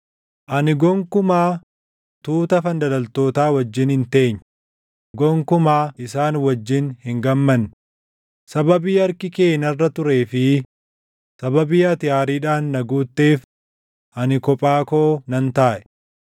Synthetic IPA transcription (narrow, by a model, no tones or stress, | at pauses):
ʔɐnɪɡɔŋkʊmaː | t̪uːt̪ɐfɐnd̪ɐlɐlt̪o̞ːt̪aːwɐd͡ʒːɪnhɪnt̪e̞ːɲː | ɡɔŋkʊmaːʔɪsaːnwɐd͡ʒːɪnhɪŋɡɐmːɐnː | sɐbɐbiːɐɾkɪke̞ːnɐrːɐt̪ʊɾe̞ːfɪ | sɐbɐbɪːɐt̪ɪjaːɾiːᶑaːnːɐɡuːt̪ːe̞ːf | ʔɐnɪkɔpʼaːko̞ːnɐnt̪aːʔɛ̥